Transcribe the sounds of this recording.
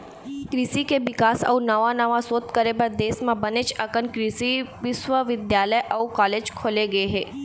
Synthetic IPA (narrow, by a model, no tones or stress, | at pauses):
kɾisikeʋɪkasə̰ũnəʋanəʋasoːt̪kəɾebəɾd̪eːsmãbənet͡ʃəkənkɾisiʋɪʃʋəʋɪd̪jaləjʔəũkaled͡ʒkʰoːleɡəeɦe